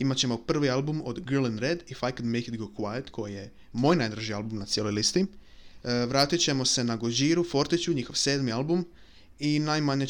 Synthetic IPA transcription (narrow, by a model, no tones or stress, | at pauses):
imat͡ɕe̞mo̞pr̩ʋialˠbumo̞d̪ɡlˠinɾed̪ifajkəd̪mejkɪt̪ɡokwajt̪kʰo̞jije̞ | mo̞ːjnajd̪ɾaʒialˠbumnat̪sjelojlist̪i | ʋɾaːt̪it͡ɕe̞mo̞se̞naɡod͡ʒiːɾufo̞ɾt̪it͡ɕuɲixo̞ʋse̞ːd̪mialˠbum | inajmaɲe